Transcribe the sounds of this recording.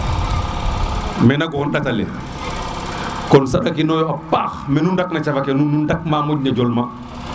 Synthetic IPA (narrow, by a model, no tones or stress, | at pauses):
mɛnaɡɔkɔnɗatalḭn | kɔnsaɗakinɔjɔapaxmɛnundak̚nat͡ʃafakɛnunundak̚mamɔɟ̚ɲad͡ʒɔlma